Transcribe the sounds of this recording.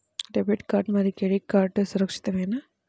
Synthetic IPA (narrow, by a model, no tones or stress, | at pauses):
ɖɛbiʈkaːɾʈmaːd̪ɾikɛɻikːaːɾʈːɨsʊɾɐkʂɪ̥t̪ːɐʋeːnaː